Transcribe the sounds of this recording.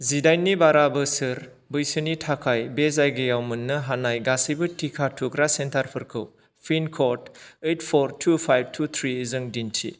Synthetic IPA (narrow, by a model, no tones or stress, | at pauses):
zidajnːibaɾabɯsɯɾ | bɯjsɯnitʰakʰajbezajɡɯjawmɯnːɯɦanajɡasibɯtʰikʰatʰukɾasentʰaɾpʰɯɾkʰɯw | pʰinkʰoɾtetʰpʰɔɾtʰupʰajb̚tʰut̪ʰɾizɯŋdintʰḭ